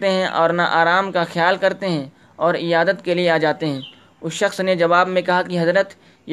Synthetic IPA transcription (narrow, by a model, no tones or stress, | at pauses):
t̪eɦɛ̃ʔɔːɾnaʔaːɾaːmkaxjaːlkɐɾt̪eɦɛ̃ | ɔːɾɪjaːd̪ət̪kelieaːd͡ʒaːt̪eɦɛ̃ː | ʊsʃɐxsned͡ʒɐʋaːbmẽkɐɦakiɦɐzɾət̪ | j